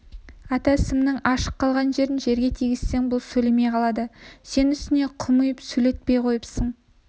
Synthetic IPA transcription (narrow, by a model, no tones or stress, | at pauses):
ɑt̪ɑɪsɪmnɪŋɑʃə̥qːɑlˠʁɑnʒe̞ɾɪnʒe̞ɾɡʲe̞t̪ʰijɡʲɪz̥se̞ŋbʊlˠsɵle̞mejqʰɑlˠɑd̪əse̞nʏst̪ɪne̞qʰʊmujəpsɵle̞t̪̚pe̞jqʰo̞jəpsəɴ